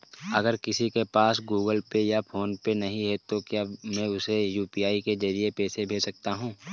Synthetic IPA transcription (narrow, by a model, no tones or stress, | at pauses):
ɐɡəɾkɪsikepaːsɡuːɡəlpejapʰoːnpenɐɦĩɦɛt̪okjaːmɛ̃ːʊsejuːpiaːiked͡ʒɐɾiepeːsebʱeːd͡ʒsɐk̚t̪aɦũː